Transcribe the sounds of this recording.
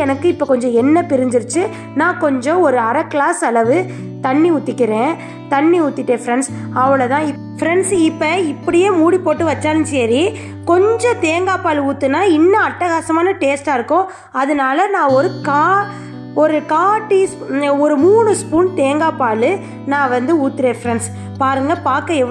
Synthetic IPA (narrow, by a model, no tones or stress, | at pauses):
ɛnɐkːɯɪpːɐkɔɲd͡ʒɔ̃ɛnːɐpɪɾɪɲd͡ʒɪɾɯt͡ʃːɯ | nãːkɔɲd͡ʒɔ̃ɔɾɯɐɾɐkɭaːsɐlɐʋɯ | t̪ɐɳːiʊt̪ːɪkːɪɾẽː | t̪ɐnːiʊt̪ːɪʈːeːfɾɛɳsɐʋɐɭɐt̪ãːɪ | fɪɾɛnsɪpːɐɪpːɐɽɪjeːmuːɽipːoːʈːɯʋɐt͡ʃːaːlnɯsɛːɾi | kɔɲd͡ʒɔ̃t̪eːŋɡaːpaːluːt̪ːɯnːaːɪnːɐɐʈːɐɣaːsɐmaːnɐʈeːsʈaːɪɾɯkːõː | ɐðɯnaːlɐnãːɔɾɯkaː | ɔɾɯkaːʈːisɔɾɯmuːɳɯspuːnt̪eːŋɡaːpaːlɯ | nãːʋɐnd̪ɯuːt̪ːɪɾẽːfɾɛɳs | paːɾɯŋɡɐpaːkɐ̃ɛʋ